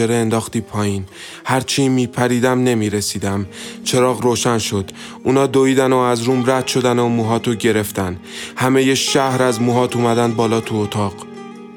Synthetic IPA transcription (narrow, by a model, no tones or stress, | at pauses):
eɾeːnd̪ɒːxt̪iːpʰɒːjiːn | hæɾt͡ʃʰimiːpʰæɾiːd̪æmne̞miɾe̞siːd̪æmt͡ʃʰe̞ɾɒːɣɾoːʃænʃo̞d̪̥ | unɒːd̪oiːd̪ænoæzɾuːmɾæd̪̥ʃo̞d̪ænomuːɦɒːt̪ʰoɟe̞ɾe̞ft̪æn | hæmejeʃæhɾæzmuːɦɒːt̪ʰuːmæd̪ænd̪̚bɒːlɒːt̪ʰuot̪ʰɒːɢ̥